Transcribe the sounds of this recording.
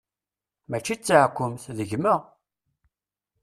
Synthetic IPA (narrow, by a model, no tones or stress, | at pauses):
mæt͡ʃːit͡sːaʕkʷːʊmθðəʝməʁ